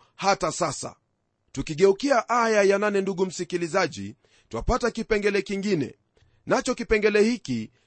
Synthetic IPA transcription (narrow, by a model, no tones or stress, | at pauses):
hatasasa̰ | tukiɠɛukiaʔajajananɛnduɠum̩sikilizaʄḭ | twapatakipɛŋɡɛlɛkiŋɡinɛ̰ | nat͡ʃɔkipɛŋɡɛlɛhiki